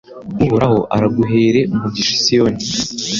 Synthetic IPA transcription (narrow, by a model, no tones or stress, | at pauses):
ɡuhuɾaho̞ʔa̰ɾaɡuɦe̞ːɾe̞umubɟiʃi̥sijoːni